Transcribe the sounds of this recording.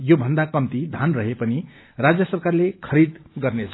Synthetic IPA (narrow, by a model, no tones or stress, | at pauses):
jobʱʌnd̪akʌmt̪id̪ʱanrʌɦepʌni | rad͡zjʌsʌrkarlekʰʌɾid̪ɡʌrnet͡sʰ